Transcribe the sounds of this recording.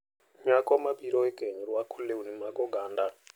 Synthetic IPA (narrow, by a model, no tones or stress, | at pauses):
ɲakɔmabiɾɔɛɡeɲuɾakʰuleunimaɡɔɡaːnda